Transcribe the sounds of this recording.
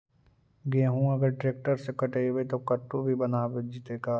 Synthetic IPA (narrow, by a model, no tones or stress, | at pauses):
ɡeːɦũɐɡəɾʈɾeːk̚ʈəɾsekɐʈeːʋet̪okɐʈːobʱibɐnaːbed͡ʒit̪eːkaː